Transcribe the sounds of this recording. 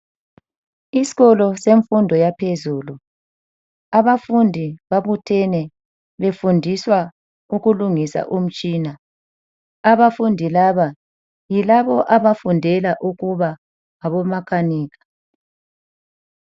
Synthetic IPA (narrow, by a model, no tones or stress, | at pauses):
isi̥ɣɔlɔseɱfundʱɔjapʰezuːlu | aβafundʱiβaβutʰɛnɛ | βefundʱiswa | uɣuluŋisa̰ʔum̩t͡ʃʼiːna | aβafundʱilaβa | jilaβɔʔaβafundʱɛlaʔuɣuβa | aβɔmakʰaniːɣḁ